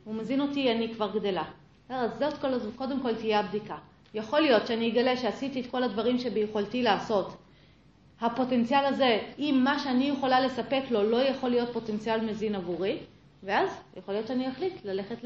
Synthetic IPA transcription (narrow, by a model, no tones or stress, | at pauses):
umezino̞tianikvaʁɡde̞la | eʁazeotkolko̞de̞mko̞ltijeabdika | jaχo̞lijo̞t̪ʃeaniiɡale̞ʃeasitietko̞ladvaʁimʃe̞bejuχoltilaːso̞t | hapo̞te̞nt͡sialaze̞imːaʃeanijeχolale̞sape̞klo̞lo̞jaχo̞lijo̞t̚po̞te̞nt͡sialmezinavuʁi | veazjaχolijott͡ʃeaniaχlitlale̞χet